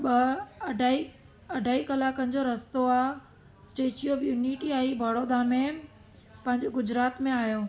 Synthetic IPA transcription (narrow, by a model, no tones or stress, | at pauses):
ɓɐɖʱai | ɐɖʱaːikɐlaːkənɪ̆d͡ʑoɾɐst̪oaː | sʈeːt͡ɕiɔːʋjuːniʈiaːibʱɐɽoːd̪aːmẽ | pɐ̃ɦɪ̃ɲd͡ʑeɡʊd͡ʑɾaːt̪mẽaːɦjoː